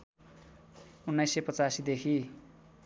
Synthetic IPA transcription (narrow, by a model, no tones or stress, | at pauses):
unːajsːejpʌt͡sasid̪ekʰi